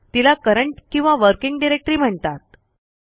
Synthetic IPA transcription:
t̪ilakəɾəɳʈkĩw̃ʋaʋəɾkiŋɡɖiɾek̚ʈɾiːm̤əɳt̪at̪̚

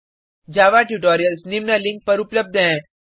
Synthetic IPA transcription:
d͡ʑaʋaʈjuʈɔɾijəlsnimnəlĩŋk̚pəɾupləb̚d̪ʱəɛ̃

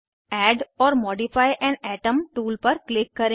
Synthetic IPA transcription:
ɛːɖɔːɾmɔːɖɪfaːɪʔɛ̃ːnɛːʈəmʈuːlpɐɾklɪkːɐɾẽ

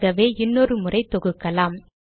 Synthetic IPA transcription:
ɐʋeːɪnːɔɾɯmʊrɐɪt̪ːɔɣɯkːɐlaːm

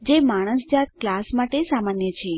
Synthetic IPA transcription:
d͡ʒemaɽ̃əsd͡ʒat̪klasmaʈesamanjət͡ʃʰe

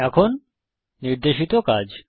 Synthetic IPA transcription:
ɛkʰonː | iɾd̪eʃit̪okad͡ʑ

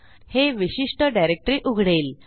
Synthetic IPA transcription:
heʋiɕiʂʈəɖajɾek̚ʈɾiːʔuɡʱɽeːl

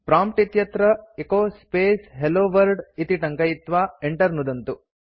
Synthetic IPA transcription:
pɾaːmpʈit̪jɐt̪ɾɐekoːspeːsɦeloːʋɐɾɖit̪iʈɐŋkɐjit̪ʋaːeɳʈɐɾnud̪ɐnt̪u

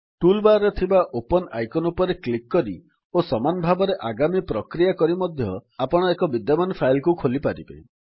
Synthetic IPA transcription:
ʈulbaɾɔt̪ʰibaʔopɔna̰jkɔnupɔɾeklikːɔɾi | osɔmanɔbʱabɔɾeʔaɡamipɾɔkɾijakɔɾimɔd̪ʱjɔapɔɽ̃ɔekɔbid̪jɔmanɔpʰajlkukʰolipaɾibḛ

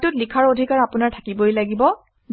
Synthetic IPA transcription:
tʊtlikʰaɹodʱikaɹapʊnaɹtʰakibojlaɡibɔ

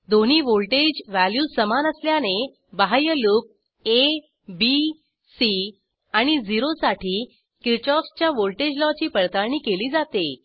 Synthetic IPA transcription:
d̪oniːʋolʈed͡ʑʋæljusəmanəsljane | bəɦajəluk̚ | e | bi | si | aɽ̃id͡ziɾosaʈʰiː | kiɾt͡ɕɔkst͡ɕjaʋolʈed͡ʑlɔt͡ɕiːpəɭt̪aɭɳiːkeliːd͡zat̪e

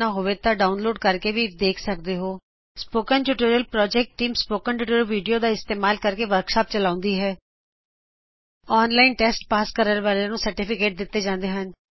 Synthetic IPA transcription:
aːɦoːʋeːt̪ãːɖaːʊnloːɖ̚kəɾkeːʋiːd̪eːkʰsək̚d̪eːɦoː | spoːkənʈuʈiːɾijəlpɾɔːd͡ʒɛːk̚ʈʈːiːmspoːkənʈuːʈiːɾəlʋiːɖijoːd̪aːɪst̪eːmaːlkəɾkeːʋəɾkʃaːp̚t͡ʃəlãːʊ̃nd̪iːɦɛː | ɔːnlaːinʈɛːsʈpaːskəɾəɾbaːɾenũːsəɾʈipʰɪkeːʈ̚d̪ɪt̪ːeːd͡ʒãːnd̪eːɦən

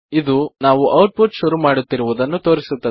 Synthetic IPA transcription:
id̪unaːʋuʔɐwʈ̚puʈʃuɾumaːɽut̪ːiɾuʋud̪ɐnːut̪o̞ːɾisut̪ːɐ

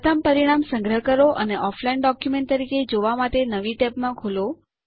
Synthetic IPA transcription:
t̪ʰampəɾiɽ̃amsə̃ŋɡɾəɦkəɾoʔəneʔɔflainɖɔkjumẽɳʈ̚t̪əɾiked͡ʒoʋamaʈenəʋiʈɛpmãkʰulo

